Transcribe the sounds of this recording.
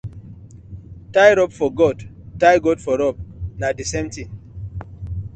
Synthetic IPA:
tajɾɔpfɔɡɔdtajɡɔdfɔɾɔp̚nadisẽmtĩŋ

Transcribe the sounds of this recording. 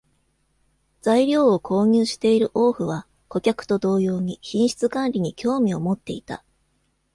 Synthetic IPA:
d͡zaiɾʲo̞ːokʰo̞ːɲ̟ɨːɕi̥t̪e̞iɾɯ̟ʔo̞ːɸɯ̟β̞a | ko̞kʲakɯ̟̥t̪o̞d̪o̞ːjo̞ːɲ̟içĩɰ̃ɕi̥t͡sɨkãnɾʲiɲ̟ikʲʰo̞ːmʲio̞mo̞t̪ːe̞it̪a̰

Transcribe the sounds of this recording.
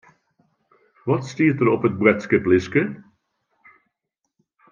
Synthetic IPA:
ʋɑtstiːətəɾɔpət̚bwɛtskəplɪskə

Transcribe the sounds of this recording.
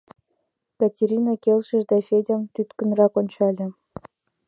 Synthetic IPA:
katʲeɾʲinɑkʲelʲʃɘ̆ʒd̪ɑfʲedʲɑmt̪yt̪kɘ̆nrɑkonʲt͡ɕɑlʲɘ̆

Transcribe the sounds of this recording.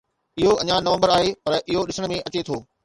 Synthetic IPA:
ɪɦoɐ̰̃ɲãnɐʋə̃mbəɾaːɦepɐɾʔɪɦoɗɪsəɽ̃̆mẽʔɐt͡ɕet̪ʰoː

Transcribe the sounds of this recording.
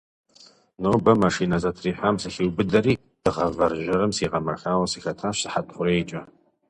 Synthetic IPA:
noːbɐmɐʂinɐzɐtʰriːħʷamsɨxiwbɨdɐriː | d̥ɨʁɐvɐrʒɐrɨmsiːʁɐmɐxaːwɐsixɐtʰaːɕsɨħatʼχʷʊɾejt͡ʃʼɐ

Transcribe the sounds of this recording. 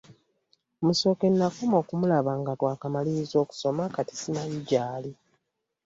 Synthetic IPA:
muso̞ke̞nːakumo̞ːkumulaβaːŋɡatwaːkamaliɾizo̞ːku̥so̞makati̥simajiɟaːli

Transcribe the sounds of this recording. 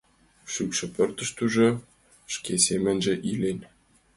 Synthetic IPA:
ʃykʃɘ̆pø̆rt̪ə̆ʃt̪uʒɤ̆ | ʃkʲesemɘ̆nʲʒĕʔilʲenʲ

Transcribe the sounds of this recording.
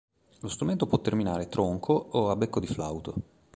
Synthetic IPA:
lost̪ɾument̪opwɔt̪ːerminaːɾet̪ɾoŋkʰooabːekːod̪ifla̰wt̪o

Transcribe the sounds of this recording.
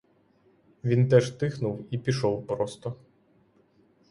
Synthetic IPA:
ʋʲint̪ɛʒt̪ɪxnʊwipʲiʃɔwpɾɔst̪ɔ

